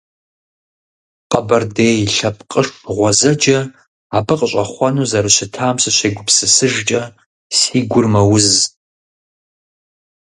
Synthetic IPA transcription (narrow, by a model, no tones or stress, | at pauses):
qʼabɐrdejiɬap̚ʰʼqʼəʂʼʁʷazɐd͡ʒɐː | pʰɨqʼɕʷʼaχʷanuzaɾaʃʷɪtʰaːmsaʃʷeɡʷʊpʰsɨsɨʒt͡ʃʼɐ | siɡʷʊrmɐwʊz